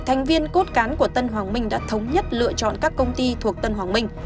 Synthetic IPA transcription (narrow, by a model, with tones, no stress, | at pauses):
t̪ʰa˨˩jŋ̟vi˧ənko˦˥t̚kaː˨˦nku˧˩ət̪ə˧nɦwaː˨˩ŋmï˧ŋ̟ɗa̰ː˧˥t̪ʰə˨˦wŋ͡mɲə˦˥t̚lɨ̰˧˨ət͡ɕɔ̰˧˨nkaː˦˥kːə˧wŋ͡mt̪i˧t̪ʰu˨˩ək̚t̪ə˧nɦwaː˨˩ŋmï˧ŋ̟